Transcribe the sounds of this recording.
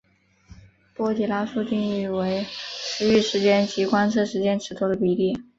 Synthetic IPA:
pwɔ˥t͡ɕjɛ˨˩la˥ʂu˥˧t͡ɕi˥˧ŋy˥˩we˧˥ɪʂɻ̩˧˥y˥˩ʂɻ̩˧˥t͡ɕjɛ˥nt͡ɕi˧˥kwa˥nʂʰɤ˥˩ʂɻ̩˧˥t͡ɕjɛ˥nʈ͡ʂʰɻ̩˧˥t̪ʰo˥d̪ə˧pi˧˥ljɛ˥˩

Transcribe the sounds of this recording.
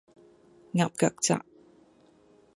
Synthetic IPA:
ŋa˨p̚ka˨k̚t͡sa̰˧˨ʔ

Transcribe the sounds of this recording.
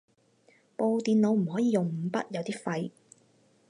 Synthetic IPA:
po˧wt̪iː˨nlo˨˧wm̩˨˩hɔː˨˥jiː˨˧jʊ˨˩ŋm̩˨˧pɐ˥t̚jɐ˨˧wt̪iː˥fɐ˧j

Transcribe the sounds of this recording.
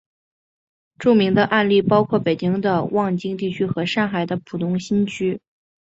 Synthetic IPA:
ʈ͡ʂu˥˩mi˧˥ŋd̪ə˧ʔa˥˧nli˥˩pɑ˥ʊkʰwɔ˥˩pe˨˩ɪt͡ɕi˥ŋd̪ə˧wʔɑ˥˩ŋt͡ɕi˥ŋt̪i˥˩t͡ɕʰy˥xɤ˧˥ʂɑ˥˩ŋxa˨˩ɪd̪ə˦pʰu˨˩t̪ʰʊ˧˥ŋɕi˥nt͡ɕʰy˥

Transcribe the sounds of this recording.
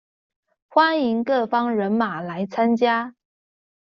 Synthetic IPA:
xwa˥ni˧˥ŋkɤ˥˩fɑ˥ŋɻə˧˥nma˨˩la˧˥ɪt͡sʰa˥nt͡ɕja˥

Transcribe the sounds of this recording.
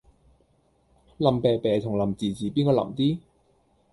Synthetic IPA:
lɐ˨˩mpɛː˨˧pɛː˨˧t̪ʰʊ˨˩ŋlɐ˨mt͡siː˨˩t͡siː˨˩piː˥nkɔː˧lɐ̰˨˩mt̪iː˥

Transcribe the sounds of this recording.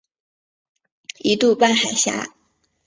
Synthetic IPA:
i˧˥t̪u˥˧pa˥˩nxa˨˩ɪɕja̰˥

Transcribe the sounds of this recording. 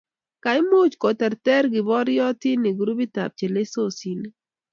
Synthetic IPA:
ka˨ɪ˦mo˦t͡ʃko˨tɛ˨ɾtɛ˦ɾɡɪ˨bɔ˦ɾjɔ˦ti˦ni˨ɡɾu˦bi˦ta̰˨p̚t͡ʃe˨le˦so˦˨si˨n˦

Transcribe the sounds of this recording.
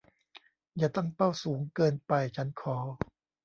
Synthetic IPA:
jaː˨˩t̪a˥˩ŋpa˥˩wsuː˩˦ŋkɤː˧npa˧jt͡ɕʰa˦˥nkʰɔː˩˦

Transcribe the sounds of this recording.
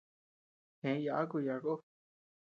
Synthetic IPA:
hẽ˨˦ja˨ʔa˦ku˧ja˨ko˦

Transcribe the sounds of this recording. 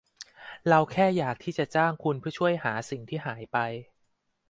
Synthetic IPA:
ɾa˧wkʰɛː˥˩jaː˨˩k̚t̪ʰiː˥˩t͡ɕa˨˩t͡ɕaː˥˩ŋkʰu˧npʰɯ˥˩ɐt͡ɕʰu˥˩əjhaː˩˦si˨˩ŋt̪ʰiː˥˩ɦaː˩˦jpa˧j

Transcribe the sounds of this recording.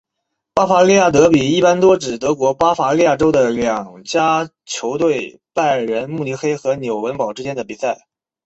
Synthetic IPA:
pa˥fa˧˥li˥˧ja˥˩t̪̬ɤ˧˥pi˨˩i˥˩pa˥nt̪wɔ˥ʈ͡ʂɻ̩˨˩t̪ɤ˧˥kwɔ˧˥pa˥fa˧˥li˥˧ja˥˩ʈ͡ʂo˥ʊd̪ə˨ljɑ˨˩ŋt͡ɕja˥ | t͡ɕʰjo˧˥ʊt̪we˥˧ɪ | pa˥˩ɪɻə˧˥nmu˥˩li˥˩xe˥ɪxɤ˧˥njo˨˩ʊwə˧˥npɑ˨˩ʊʈ͡ʂɻ̩˥t͡ɕjɛ˥nd̪ə˨pi˨˩sa˥˩ɪ

